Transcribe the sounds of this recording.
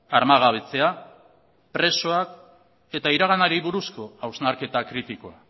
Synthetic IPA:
aɾmaɣ̞aβe̞t͡se̞a | pɾe̞so̞ak | e̞t̪aiɾaɣanaɾiβuɾusko̞awznaɾke̞t̪akɾit̪iko̞a

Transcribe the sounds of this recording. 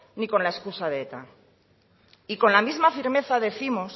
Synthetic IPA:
niko̞nlae̞skusaðeet̪a | iko̞nlamizmafiɾme̞θaðe̞θimos

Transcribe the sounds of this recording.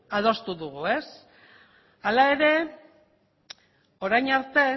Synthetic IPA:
aðo̞st̪uðuɣ̞ue̞s | alae̞ɾe̞ | o̞ɾajɲaɾt̪e̞

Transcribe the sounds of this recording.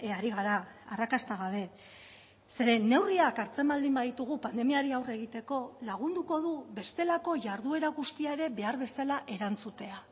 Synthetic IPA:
eaɾiɣaɾaːrakast̪aɣaβ̞e̞ | se̞ɾe̞ne̞wriakaɾt͡se̞mbald̪imbaðit̪uɣ̞upand̪e̞miaɾiawre̞ɣ̞it̪e̞ko̞laɣ̞und̪uko̞ðuβe̞st̪e̞lako̞ʝaɾðue̞ɾaɣust̪iae̞ɾe̞βe̞aɾβe̞salaʔe̞ɾant͡sut̪e̞a

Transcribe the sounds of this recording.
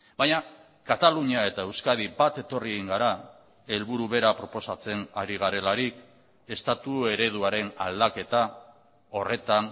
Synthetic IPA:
baɲa | kat̪aluɲiae̞t̪ae̞wskað̞ibat̪e̞t̪o̞rieɣiŋɡaɾa | e̞lβuɾuβe̞ɾapɾo̞po̞sat͡se̞naɾiɣ̞aɾe̞laɾik | e̞st̪at̪ue̞ɾe̞ðuaɾe̞na̰ld̪ake̞t̪a | o̞re̞t̪an

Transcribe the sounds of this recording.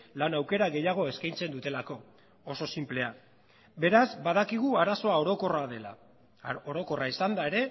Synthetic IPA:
lanawke̞ɾaɣe̞jaɣ̞o̞e̞skajnt͡se̞nd̪ut̪e̞lako̞ː | so̞simple̞a | be̞ɾazbaðakiɣ̞uaɾaso̞ao̞ɾo̞ko̞raðe̞la̰ | oɾo̞ko̞raisand̪ae̞ɾe̞

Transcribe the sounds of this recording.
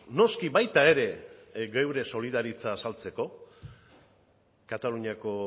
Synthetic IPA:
no̞skiβajt̪ae̞ɾe̞ɡewɾe̞so̞liðaɾit͡saːsalt͡se̞ko̞ | kat̪aluɲiako̞

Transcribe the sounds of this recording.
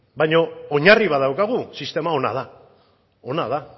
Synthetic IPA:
bajɲo̞oɲariβaðawkaɣ̞usist̪e̞mao̞na̰ð̞a | o̞nað̞a

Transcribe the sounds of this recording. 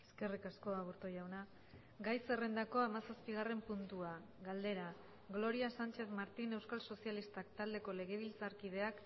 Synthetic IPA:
eske̞rikasko̞aβuɾt̪ojawna | ɡajse̞re̞nd̪ako̞amasaspiɣ̞are̞mpunt̪ua | ɣald̪e̞ɾa | ɡlo̞ɾiasant͡ʃe̞θmaɾt̪ine̞wskalso̞sialist̪akt̪ald̪e̞ko̞le̞ɣ̞e̞β̞ilt͡saɾkið̞e̞ak

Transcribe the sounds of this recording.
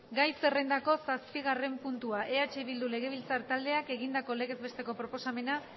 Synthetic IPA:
ɡajse̞re̞nd̪ako̞saspiɣ̞are̞mpunt̪uaʔe̞at͡ʃeβild̪ule̞ɣ̞e̞β̞ilt͡saɾt̪ald̪e̞ake̞ɣind̪ako̞le̞ɣe̞zbe̞st̪e̞ko̞pɾo̞po̞same̞na

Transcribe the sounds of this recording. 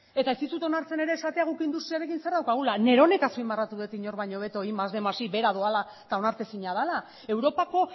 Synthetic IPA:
e̞t̪aest̪it̪ut̪o̞naɾt͡se̞ne̞ɾe̞ːsat̪e̞aɣ̞ukeind̪ust̪ɾiaɾe̞kinse̞ɾðawkaɣ̞ulane̞ɾo̞ne̞kasuimarat̪uðet̪iɲo̞ɾβaɲo̞βe̞t̪o̞imazðe̞masibe̞ɾaðoala | t̪ao̞naɾt̪e̞siɲað̞ala | e̞wɾo̞pako̞

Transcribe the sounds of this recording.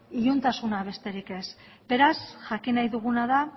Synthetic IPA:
iʎunt̪asunaβ̞e̞st̪e̞ɾike̞s | be̞ɾasʝakinajðuɣ̞unaða

